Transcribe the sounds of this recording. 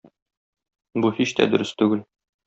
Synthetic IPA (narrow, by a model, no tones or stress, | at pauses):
buhiɕt̪æ̰d̪ɵ̆ɾɘst̪ʉɡɘl